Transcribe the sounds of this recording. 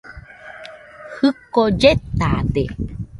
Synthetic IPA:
hɨkod͡ʒet̪ad̪e

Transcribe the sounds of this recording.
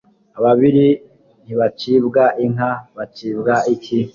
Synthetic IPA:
aβaβiɾi | n̥iβat͡ʃibɡaʔiŋaβat͡ʃiːbɡaikʰi

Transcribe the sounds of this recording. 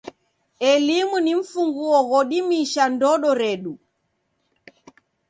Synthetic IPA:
ɛlimuniɱ̩fuŋɡuɔɣɔɗimiʃandɔɗɔɾɛɗu

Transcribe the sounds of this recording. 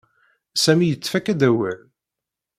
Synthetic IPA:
sæmijət͡sːfækæd̪æwæl

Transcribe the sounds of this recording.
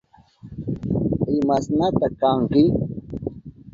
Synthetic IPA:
ɪmasnat̪akaŋkɪ

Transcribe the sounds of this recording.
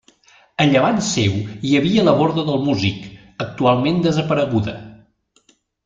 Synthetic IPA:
əʎəβansewjəβiələβɔɾðəðəlˠmuzik | ək̚t̪ualˠmend̪əzəpəɾəɣuðə̰

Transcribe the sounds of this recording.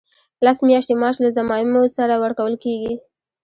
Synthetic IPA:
lasmjɑʃt̪emɑʃlazamɑjɪmosaɾawəɾkawəlkeɡi

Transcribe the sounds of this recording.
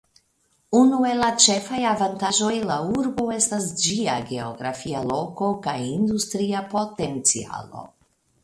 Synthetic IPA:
unue̞lat͡ʃe̞fajavantaʒo̞jlauɾbo̞e̞stasd͡ʒiaɡe̞o̰ɡɾa̰fialo̞ko̞kajind̪ustɾiapo̞te̞nt͡sia̰lo̞̰

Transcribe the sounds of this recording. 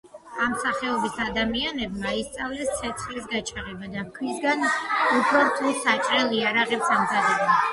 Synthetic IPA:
amsaχɛɔbisad̪amianɛbmaist̪sʼavlɛst̪sʰɛt̪sʰχlisɡat͡ʃʰaʁɛbad̪akʰwisɡanupʰɾɔɾt̪ʰulˠsat͡ʃʼɾɛlˠiaɾaʁɛpsaɡzad̪ɛba

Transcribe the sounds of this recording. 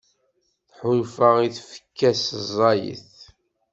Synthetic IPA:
θħʊlfəʁiθfə̥kːæszˤɑjə̰θ

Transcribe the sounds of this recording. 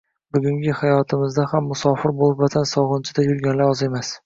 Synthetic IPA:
bʊɡʲʊŋɡʲɪhajɒt̪ʰɪmɪzd̪ahamːʊsɒfɪɾbolˠɪpvat̪ʰansɒʁɨnt͡ʃʰɪd̪ajʊɾɡʲanlaɾɒze̞mas

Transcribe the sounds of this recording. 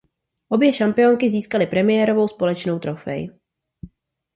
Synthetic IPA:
ʔo̞bjɛʃampɪjo̞ŋkɪziːskalɪpɾɛmɪjɛːɾo̞vo̞wspo̞lɛt͡ʃno̞wt̪ɾo̞fɛ̰jɪ

